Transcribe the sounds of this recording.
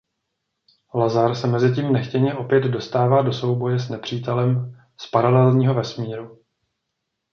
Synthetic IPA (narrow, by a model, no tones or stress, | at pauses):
lazaɾsɛmɛzɪciːmnɛxcɛɲɛʔo̞pjɛd̪do̞st̪aːvaːdo̞so̞wbo̞jɛsnɛpr̥iːt̪ɛlɛm | spaɾalɛlɲiːɦo̞vɛsmiːɾu